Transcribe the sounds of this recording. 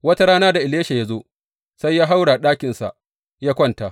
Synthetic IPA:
wɐ˦ta˦ɽaː˦naː˦da˨ʔɪ˨leː˦ʃa˨ja˦zo˦ | sa˦jːaː˦ɦa˦wɽa˨ɗaː˦kʲɪ˨nsa̰˨ | jaː˦kʷɔ˦nta˨

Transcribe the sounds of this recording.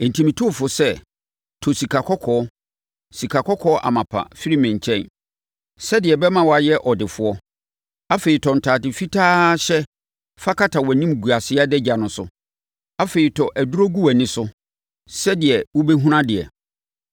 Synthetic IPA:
n̩˨tʰĩ˨mĩ˨tʰʊ˦˨fʊ˨sɛ˦ | tʰɔ˨si˨kʰa˨kʰɔ˦kʰɔː˨˦ | si˨kʰa˨kʰɔ˦kʰɔː˦ʔa̰˨mã˨pʰa̰˨fi˦ɾi˦mɪ̃˨ɲ˨t͡ɕʰɛ̃˦n | sɛ˦dɪ˨ɛ˨bɛ˦mã˨wɔ˨˦a˨jɛ˦ʔɔ˨dɪ˨fʊ˨ɔ˦ | a˦fe˨ɾi˨tʰɔ˨n̩˨tʰaː˨tɪ˨fi˦tʰaː˦ɕɛ˦ | fa˦kʰa˦tʰa˨wɔ˨nĩ˦m˨ɡu˨a˨sɪ˦a˦dɛ˦d͡ʑa˨nʊ̃˨sʊ̰˦ | a˦fe˨ɾi˨tʰɔ˨ʔæ˨du˦ɾo˦ɡu˦æ˨nɪ̃˦sʊ˦ | sɛ˦dɪ˨ɛ˨wɔ˦bɛ˦ɦũ˦ɾã˦dɪ˨ɛ̰˨

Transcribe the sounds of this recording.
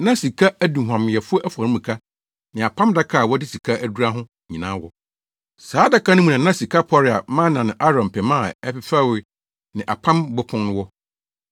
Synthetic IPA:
nã˦si˨kʰa˦æ˦dũ˨ɦʷã˨m˨ɛ˨fʊ˦ɔ˦ʔæ˦fa˨nɪ̃˦mũ˨kʰa˦ | nɪ̃˨a˨pʰã˦mda˦kʰa˦˨wɔ˦dɪ˦si˨kʰa˦ʔæ˦du˦ɾa˦ɦʊ̃˦ | ɲĩ˨nã̰ː˦wɔ˦ | saː˨˦da˦kʰa˦nʊ̃˦mũ˨nã˨nã˦si˨kʰa˦pʰɔ˦ɾɪ˨a˨mã˦nã˨nʊ̃˨ʔa˦ɾɔ̃˨m˨pʰɛ˨mã˦˨ɛ˦pɪ˨˦fa˦˨wɪ˨˦ | nɪ̃˨ʔa̰˨pʰã˦mbʊ˦pʰʊ̃˦nnʊ̃˦wɔ˦

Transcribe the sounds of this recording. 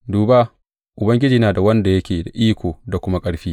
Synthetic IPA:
duː˨ba˦ | ʔʊ˨bɐ˦ŋɡʲɪ˦d͡ʒiː˦naː˨da˨wɐ˦nda˨jɐ˦kʲeː˨da˨ʔiː˦kʷoː˨da˨kʷʊ˦ma˦kʼɐ˦ɽɸiː˦

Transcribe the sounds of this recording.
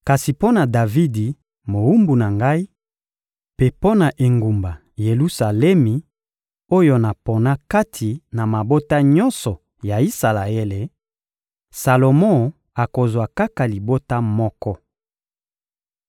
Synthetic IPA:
ka˨si˨po˦na˨da˨vi˦di˨ | mo˨u˦mbu˨na˨ŋɡa˦i˦ | pe˦po˦na˨ʔe˨ŋɡu˨mba˨ | je˨lu˦sa˨lɛ˦mi˨ | o˦jo˦na˨po˨na˦ka˦tʰi˨na˨ma˨bo˦ta˦ɲɔ̃˦nsɔ˨ | ja˨i˦sa˨la˨e˦le˨ | sa˨lo˨mɔ̃˦˨ | a˨ko˨zwa˨ka˦ka˨li˨bo˦ta˦mɔ˦kɔ˦

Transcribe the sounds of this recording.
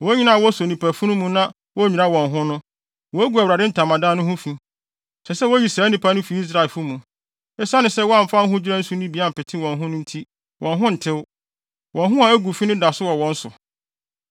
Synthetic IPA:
wɔ˨˦ɲĩ˦nã˦˨wɔ˦sɔ˨nĩ˨pʰæ˨fu˦nʊ̃˦mũ˦nã˦ | wɔ˦ɲĩ˨nã˦wɔ̃˨nɦʊ̃˦nʊ̃˦ | wɔ˨˦æ˦ɡu˨æ˨wu˨ɾa˨dɪ˦n̩˦tʰã˨mã˨dã˦nʊ̃˦hʊ̃˦fĩ˦ | sɛ˨sɛ˦wɔ˦ji˨sa˨˦nĩ˨pʰa˦nʊ̃˦fi˨˦i˦s̬ɾa˨e˨lfʊ˦mũ˨ | ɛ˦sa˦nɪ̃˨sɛ˦wɔ˦a˦˨m̩˨fa˦n˦ɦʊ̃˦d͡ʑɪ˦ɾã˦n̩˦su˦nĩ˦bi˨˦a˦m̩˨pɪ˨tʰɪ̃˦wɔ̃˨nɦʊ̃˦nʊ̃˦n̩˦tʰi˦ | wʔɔ̃˨nɦʊ̃˦n̩˨tʰɪ˦w | wɔ̃˨nɦʊ̃˦a˨æ˦ɡu˨fi˦nɪ̃˦da˨sʊ˦wɔ˨wɔ̃˨n̩˦sʊ˨

